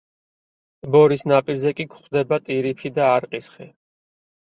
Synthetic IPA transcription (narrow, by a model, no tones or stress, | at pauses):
bɔɾisnapʼiɾzɛkʼikχd̪ɛbat̪ʼiɾipʰid̪aːɾqʼisχɛ